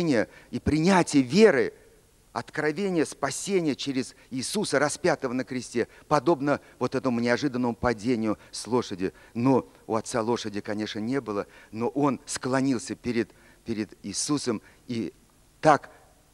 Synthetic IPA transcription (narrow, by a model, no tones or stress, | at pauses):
nʲɪjəipɾʲɪnʲætʲɪjəvʲeɾɨ | ɐt̪kɾɐvʲenʲɪjəspɐsʲenʲɪjət͡ɕeɾʲɪz | iːsusəɾɐspʲat̪əvənəkɾʲɪsʲtʲe̞pɐd̪o̞bnə | vo̞t̪ɛt̪əmʊnʲɪɐʐɨd̪ənːəmʊpɐdʲenʲɪjʊslˠo̞ʂədʲɪno̞ | ʊɐt̪salˠo̞ʂədʲɪkɐnʲe̞ʂnənʲe̞bɨlˠəno̞ʔo̞nsklˠɐnʲilˠsʲəpʲɪɾʲɪd̪ | pʲɪɾʲɪd̪ɪːsusəmi | t̪ak